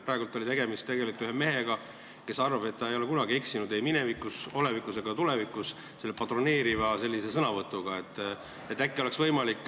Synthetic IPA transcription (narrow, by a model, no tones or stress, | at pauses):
pɾɑːˑeɡult̪ːo̞lit̪e̞ɡe̞mist̪e̞ɡe̞likut̪yɦeme̞ɦe̞ɡ̥ɑ | ke̞sɑrvɑbe̞t̪ːɑejo̞le̞kunɑɡie̞ksinud̪e̞jmine̞vikːˑuso̞levikːˑuse̞ɡ̥ɑt̪ulevikus | selːepɑt̪rone̞ːɾivɑse̞lːise̞sɤnɑvɤt̪ːuɡ̥ɑe̞t̪ː | et̪ːækːioleksvɤjmɑlikːˑ